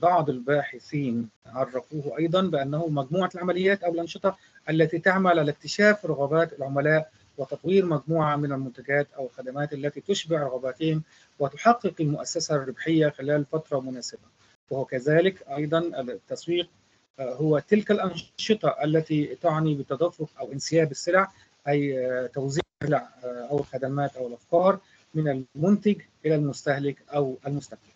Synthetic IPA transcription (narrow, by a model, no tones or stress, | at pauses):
bɑʕd̪ˤɪlbaːħɪθiːnʕɑrˤːɑfuːhʔɑjd̪ˤɑnbɪʔanːahʊmæɡmuːʕalʕamalɪjːaːt̪ʔawɪlʔɑnʃɨt̪ˤɑ | ʔalːat̪it̪aʕmalʕalak̚t̪ɪʃaːfɾˤɑɣabaːt̪ɪlʕʊmalaːʔ | wɪt̪ɑt̪ˤwiːɾmæɡmuːʕamɪnɪlmʊnt̪aɡaːt̪ʔawɪlxad̪amaːt̪ʔalːat̪it̪ʊʃbɪʕɾˤɑɣabaːt̪ɪhɪm | wɪt̪ʊħɑqːɨqɪlmʊʔasːasarːɪbħɪjːaxɪlæːlfat̪ɾˤɑmʊnaːsɪba | wahʊwkazaːlɪkʔɑjd̪ˤɑnʔɪt̪ːɑswiːq̚ | hʊwat̪ɪlkalʔɑnʃɨt̪ˤɑʔalːat̪it̪ʊʕnibɪt̪ːɑd̪afːʊqʔawʔɪnsɪjaːbɪsːɪlʕ | ʔæjt̪awziːʕsɪlʕʔawɪlxad̪amaːt̪ʔawɪlʔɑfkɑːɾˤ | mɪnalmʊnt̪ɪɡʔɪlalmʊst̪ahlɪkʔawʔalmʊst̪aq̚bɪl